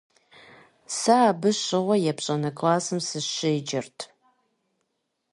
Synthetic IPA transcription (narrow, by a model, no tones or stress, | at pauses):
saːbɨɕɪʁʷɔjɛpɕʼɐnɐkʰʼlaːsɨmsɨʃɪid͡ʒɪrtʰ